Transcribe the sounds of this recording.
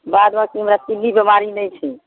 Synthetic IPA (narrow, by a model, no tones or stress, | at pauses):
bad̪bakiɦəmɾat̪ilːibəmaɾinɛjt͡ʃʰɛ